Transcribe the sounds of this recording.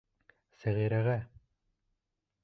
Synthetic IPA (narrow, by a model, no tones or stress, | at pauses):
sæʁiɾæɣæ